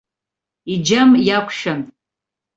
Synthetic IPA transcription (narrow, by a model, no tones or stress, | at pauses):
id͡ʒamjakʷʰʃan